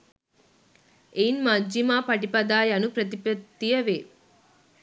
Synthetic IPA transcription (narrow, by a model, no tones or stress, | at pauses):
ʔeinmɐd͡ʒimaːpɐʈipɐd̪aːjɐnupɾɐt̪̬ipɐdt̪ːijɐʋeː